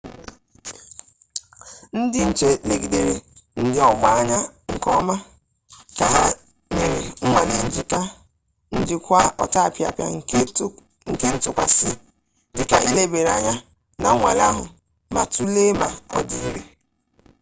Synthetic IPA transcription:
n̩˦dɪ˦n̩˨t͡ʃe˦le˨ɡi˨de˨ɾe˨n̩˦dɪ˦ɔ˦ɡ͡ba˦a˦ɲa˦ŋ̩˨kɔ˦ma˦ | ka˨ɦa˦ | ne˨ɾe˨ŋ̩˦ŋʷa˨le˦n̩˦d͡ʒi˨ta˦ | n̩˦d͡ʒɪ˨kʷa˦ɔ̰˨ta˦˨pja̰˨pja̰˨˦ | ŋ̩˨ke˦n̩˦tʊ˨kʷa̰˨sɪ˦ | dɪ˨ka˨ʔi˦le˦be˨ɾa˨ɲa˦ | na̰˨˦ŋʷa̰˨la˦ɦʊ˨ | ma̰˨tu˦le˦ma˨ɔ̰˨di˨˦i˦ɾi˦

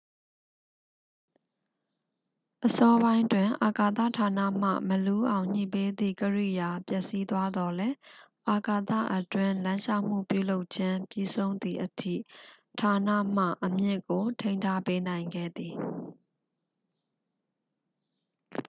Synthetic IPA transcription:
ʔəsɔ˦bã˦ɪ̃twɪ̃˨ʔa˨ka˨t̪ä̰˦˨tʰa˨na̰˦˨m̥ä̰˦˨məlu˦ʔã˨ʊ̃ɲ̥ḭ˨pe˦d̪ḭ˦˨kəɹḭ˦˨ja˨pjɛ˦ʔsi˦t̪wa˦d̪ɔ˨lɛ˦ | ʔa˨ka˨t̪a̰˦˨ʔətwɪ̃˦˨lã˦ɲʃa˦ʊm̥ṵ˦˨pjṵ˦˨lo˦ʊʔt͡ɕʰɪ̃˦pji˦sʰõ˦ʊ̃nd̪i˨ʔətʰḭ˦˨ | tʰa˨nä̰˦˨m̥a̰˦˨ʔəmjɪ˦ʔko˨tʰẽ˦ɪ̃ntʰa˦pe˦nã˨ɪ̃ŋɡɛ̰˦˨d̪i˨

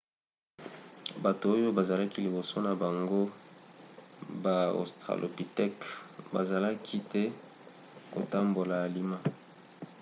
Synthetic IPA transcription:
ba˨to˨o˦jo˦ba˨za˨la˦ki˦li˨bo˨so˦na˨ba˨ŋɡo˦ | ba˨o̰˨stʁa̰˨lʔo̰˨pi˨tɛ˦kba̰˨za˨la˦kʰi˦tɛ˦ | ko̰˨ta˦mbo˨la˨a˨li˦ma˦

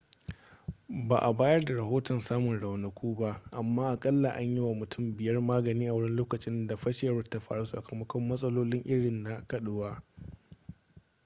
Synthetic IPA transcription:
ba̰ː˨ʔa˨baː˦jɐ˦rda˨ɾɐ˨ɦoː˦tɔ˨nsaː˦mʊ˨nɽa˨wnɐ˨kʷuː˦ba˦ʔʔa˨mːaː˦ʔa˨kʼɐ˦lːa˨ʔa˦ɲji˦wa˨mʊ˨tʰʊ˦˨mbɪ˨jɐ˦rmaː˦ɡɐ˨niː˦ʔa˨wʊ˦ɽɪ˦nloː˦kɐ˨t͡ʃʼɪ˦nda˨ɸɐ˦ʃɪ˨jɐ˦ɾʊ˦ta˦ɸa̰ː˨ɽu˦sɐ̰˨kʰɐ˨mɐ˦kʷɔ˦mːɐ˦sʼɐ˦loː˦lɪ˦ŋʔɪ˦ɽɪ˨nːa˦kɐ˨ɗʊ˦waː˦

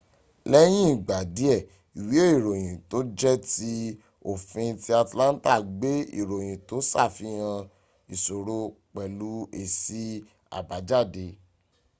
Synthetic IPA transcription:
lɛ˦j̃ĩ˦i˦˨ɡ͡ba˨di˨˦ɛ˦˨ | i˨wi˨˦o˦i˦˨ɾo˨j̃ĩ˨to˨˦d͡ʒɛ˦ti˦ | o˦˨fĩ˧ti˧˦a˧tlã˦n˦ta˦˨ɡ͡be˨˦ḭ˦˨ɾo˨j̃ĩ˨to˨˦sa̰˦˨fi˨˦hã˧ | i˨so˨ɾo˧k͡pɛ˨lu˨˦e˨si˧ | a̰˨ba˨˦d͡ʒa˦˨de˧

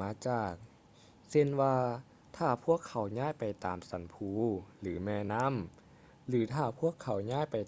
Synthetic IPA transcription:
aː˨˧˥t͡ɕaː˨˩k̚ | se˧˩nwaː˧ | t̪ʰaː˧˩pʰu˧˥˩əkʰːa˨˩˦wɲaː˧˥˩jpa˨˩jt̪aː˨msa˨˦npʰuː˧˩lɯː˩˦mɛː˧˩na˦˥˨m | lɯː˨˩˦t̪ʰaː˧˩pʰu˧˥˩əkʰːa˨˦wɲaː˧˥˨jpa˨j

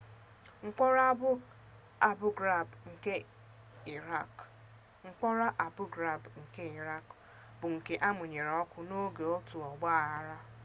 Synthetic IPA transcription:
ŋ̩˦k͡pɔ˦ɾa˦bʊ˦ | a˨bʊ˦ɡɾa˨bŋ̩˨ke˦ | i˨ɾa˦˨k | ŋ͡m̩˦k͡pɔ˦ɾa˦ʔa˨bʊ˦ɡɾa˦˨bŋ̩˨ke˦i˨ɾa˦k | bʊ˨ŋ̩˨ke˨ʔa˦mʊ˨ɲe˨ɾɔ˦kʷʊ˦no˦ɡe˨o˦tu˨ɔ˨ɡ͡ba˦a˨ɦa˦ɾa˦

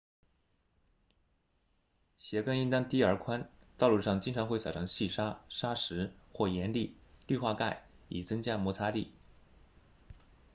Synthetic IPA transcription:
ɕjɛ˧˥kə˥ŋi˥ŋt̪ɑ˥ŋt̪i˥ə˞˧˥kʰwa˥n | t̪ɑ˥˧ʊlu˥˧ʂɑ˥˩ŋt͡ɕi˥ŋʈ͡ʂʰɑ˧˥ŋxwɑ˨˩ʊʈ͡ʂʰɑ˧˥ŋɕi˥˩ʂa˥ʂa˥ʂɻ̩˧˥xwɔ˥˩jɛ˧˥nli˥˩ly˥˧xwa˥˧ka˥˩ɪ | ḭ˨˩t͡sɤ˥ŋt͡ɕja˥mwɔ˧˥t͡sʰa˥li˥˩

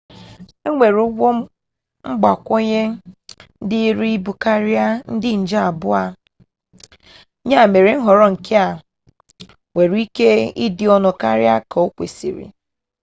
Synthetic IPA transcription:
e˦ŋʷe˨ɾʊ˦ɡo˦ | ŋ͡m̩˦ɡ͡ba˨kʷo˦ɲe˦n̩˦dɪ˦ɾi˦i˦bu˨ka˦ɾja˦n̩˦dɪ˦n̩˨d͡ʒa˨bʊ˦a˦ | ɲa˦˨me˨ɾi˨ŋ̩˦ɦɔ˨ɾɔ˦ŋ̩˨kʰe˦a˨ | ŋʷe˨ɾi˦ke˦i˦dɪ˨˦ɔ˦nɔ˨ka˦ɾja˦kɔ˨o˦kʷḛ˨sḭ˨ɾḭ˨

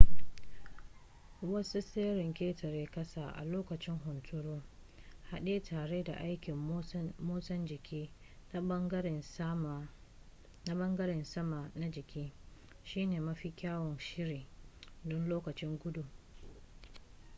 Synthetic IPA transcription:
wɐ˦su˦seː˦ɾɪ˨ŋkʲeː˦tɐ˨ɾeː˦kɐ˦saː˨ʔa̰˨loː˦kɐ˨t͡ʃɪ˦ŋɦʊ˨ntʰʊ˦ɽoː˦ | ha˦ɗe˦tʰaː˨ɽeː˦da̰˨ʔa˦jkʲɪ˨m˦moː˦sɐ˦nd͡ʒɪ˨kʲiː˦ | na˦ɐ˦ŋɡɾn˦m˨ | na˦bɐ˦ŋɡɐ˦ɾɪ˨nsɐ˦ma˨na˦d͡ʒɪ˨kʲiː˦ | ʃiː˦neː˨mɐ˦ɸiː˦kʲaː˦wɔ˨nʃɪ˦ɾiː˨dɔ˦nloː˦kɐ˨t͡ʃɪ˦ŋɡʷʊ˦du˨

